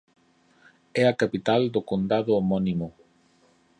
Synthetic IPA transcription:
ɛakapit̪ald̪ʊkond̪aðʊomɔnimʊ

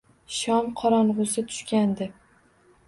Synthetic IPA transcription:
ʃɒmqʰɒɾɒnʁʊsɪt̪ʰʊ̥ʃkʲand̪ɪ

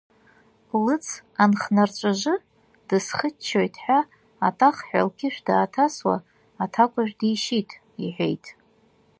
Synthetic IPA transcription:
lɨt͡sʰanχnart͡ʃʷʼaʒʷɨ | d̥ɨsχət͡ʃʰːojtʰʼħʷᶣaː | tʼaχħʷᶣa̰lkʰʲɪʃᶣdaːtʰaswa̰ː | tʰakʷʼaʒᶣdijʃitʼ | iħʷᶣḛjtʼ

